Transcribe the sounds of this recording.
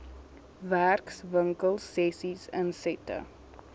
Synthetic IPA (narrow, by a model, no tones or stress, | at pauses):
ʋæɾksʋə̃ŋkəlsːesizɛ̰̃nsetə̰